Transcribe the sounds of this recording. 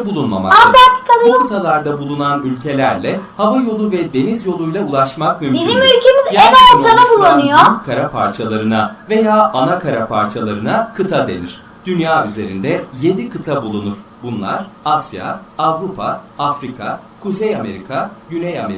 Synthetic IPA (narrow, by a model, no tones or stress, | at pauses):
bulˠunma̰ma̰aaɾt̪ʰːɯ̥kalˠɯkɯt̪ʰalˠaɾd̪abulˠunanylʲcʰe̞lʲæɾlʲɛhavajo̞lˠuvɛd̪e̞nizjo̞lˠujlˠaulˠaʃmakmymbizimylʲcʰemizjevɛoɾt̪ʰad̪abulˠːanɯjokʰaɾapʰa̰ɾt͡ʃʰalˠaɾɯnave̞jaːʔanakʰaɾapʰaɾt͡ʃʰalˠaɾɯnakʰɯt̪ʰad̪e̞̰niɾ̥ | d̪̥ynjaːyze̞ɾind̪ɛje̞d̪ikʰɯt̪ʰabulˠunuɾ̥bunlˠa̰ɾ̥asja̰avɾupʰaafɾikʰa̰ | kʰuzejame̞ɾikʰaɟynejamḛ